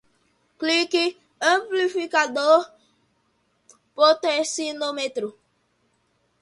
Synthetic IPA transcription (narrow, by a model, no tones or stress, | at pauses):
kliki | aplifikado | pot̪ɛsinomet̪ɾo